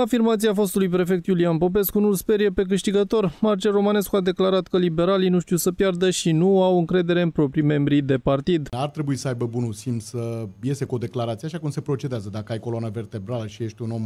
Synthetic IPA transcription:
afirmat̪siafo̞st̪ulujpɾe̞fe̞k̚t̪julianpo̞p̬e̞skunulspe̞ɾje̞pe̞k̬ɨʃt̪iɡət̪o̞rmart͡ʃero̞mane̞skuad̪e̞klaɾat̪kəlibe̞ɾalinuʃt̪iwsəpjard̪əʃinuawɨŋkɾe̞d̪e̞ɾe̞ɨnpɾo̞pɾime̞mbɾid̪e̞part̪id̪art̪ɾe̞buisəajbəbunulsimt̪səje̞se̞ko̞d̪e̞klaɾat̪sieaʃakumse̞pɾo̞t͡ʃed̪eazəd̪akəajko̞lonave̞rt̪e̞bɾaləʃije̞ʃt̪ʲuno̞m

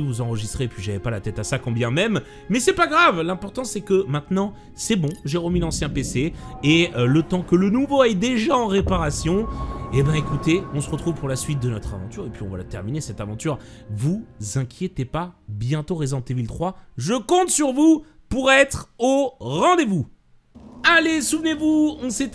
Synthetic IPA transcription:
vuzɑ̃ʁəʒist̪χeːpɥiʒavɛpalat̪ɛt̪asakɔ̃bjɛ̃mɛmː | ɛsɛpaɡʁavlɛ̃pɔʁt̪ɑ̃sɛkəmɛ̃t̪nɑ̃ | sɛbɔ̃ʒeʁəmilɑ̃sjɛ̃peseeølət̪ɑ̃kələnuvoɛd̪eʒaɑ̃ʁepaʁasjɔ̃ebɛ̃ekut̪eɔ̃səʁət̪χuv̥puʁlasɥit̪̚d̪ənɔt̪χa̰vɑ̃t̪yʁepɥiɔ̃va̰la̰t̪ɛʁminesɛt̪avɑ̃t̪yʁvuzɛ̃kʲʰjet̪epabjɛ̃t̪oʁezɑ̃t̪evilt̪χwaʒəkɔ̃t̪syʁvu | puʁɛt̪χoʁɑ̃d̪evu | alesuvnevuɔ̃sɛt̪

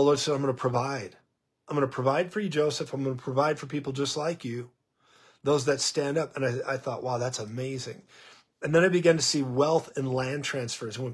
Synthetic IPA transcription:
əlɔɹdsɛdãɪ̃mɡʌ̃nəpʰɹ̥əvaɪd̥ | ãɪ̃mɡʌnəpʰɹ̥ɨvaɪd̥fə˞jɨd͡ʒoʊsɨfãɪ̃mɡʌnəpʰɹ̥əvaɪd̥fə˞pʰipl̩ˠd͡ʒʌstˡlaɪkʰjʉ | ðoʊzðɨtstæ̃ndʌpɨ̃naɪa̰ɪθɔʔ̚wʔaʊðætsəmeɪzɪ̰̃ŋ | ɨ̃nðɨ̃ñaɪbɨɡæ̃ntʰɨsiwɛlˠθɨ̃nlæ̃ntʰɹ̥æ̃nsfə˞zʌ̃

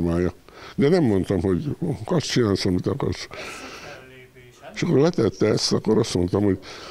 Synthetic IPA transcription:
maːjɑd̪ɛnɛmːont̪omhoɟkɔst͡ʃinaːsomit̪ɑkɔ̰s | ʃokːolɛt̪ɛt̪ːɛst̪ɑkːoɾɑst̪mont̪omhoɟ

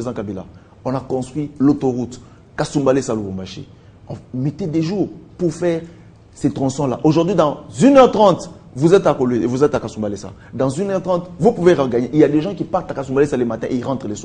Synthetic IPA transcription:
ezɑ̃kabila̰ | ɔ̃nakɔ̃st̪χwilot̪oʁut̪ | kasũmbalesalobɔ̃mbaʃḛ | ɔ̃met̪ed̪eʒuːʁpuʁfɛːʁ | set̪χɔ̃sɔ̃la̰ʔoʒuʁd̪ɥid̪ɑ̃zynœʁt̪χɑ̃t̪vuzɛt̪akolevuzɛt̪akasũmbalesa̰ | d̪ɑ̃zynœʁt̪χɑ̃t̪vupuveʁə̃ɡaɲeʔiljad̪eʒɑ̃kipaʁt̪akasũmbalesalemat̪ɛ̃ʔeiʁɑ̃t̪χəleswa

